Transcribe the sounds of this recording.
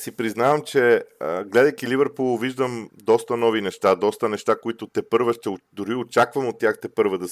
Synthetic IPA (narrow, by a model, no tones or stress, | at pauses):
sipɾiznavəmt͡ʃɛəɡlɛd̪əjk̟ilivəɾpulˠviʒd̪əmd̪ɔst̪ɐnɔvinɛʃt̪ad̪ɔst̪ənɛʃt̪akoit̪ʊt̪ɛpɤɾvəʃt̪ɛod̪ʊɾiot͡ʃakvɐmot̪ʲːjaxt̪ɛpɤɾvəd̪ɐs